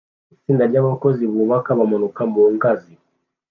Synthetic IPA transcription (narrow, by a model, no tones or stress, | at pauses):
isindaljaβakɔziβuβakaβamɔnukamboŋkazi